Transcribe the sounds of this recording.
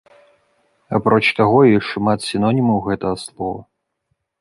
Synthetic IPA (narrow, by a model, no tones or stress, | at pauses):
apɾɔt͡ʃt̪aɣɔiʂmat̪sʲinɔnʲimɐwɣɛt̪ɐaslˠɔvɐ